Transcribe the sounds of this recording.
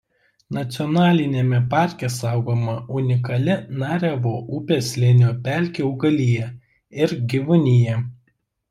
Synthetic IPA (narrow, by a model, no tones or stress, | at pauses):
nɐt̪sʲɪɔnɑːlʲɪnʲeːmʲɛpɑˑɾʲkʲɛsɑˑʊɡoːmɐʊnʲɪk̬ɐlʲɪnɑːɾʲɛʋoːʔʊpʲeːsʲlʲɪnʲoːpʲælʲkʲeʊɡɐlʲɪjɛ | ɪɾɡʲiʋʊnʲɪjɛ